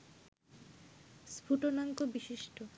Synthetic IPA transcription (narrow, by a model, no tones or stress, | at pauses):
spʰuʈonaŋkobiʃiʃʈo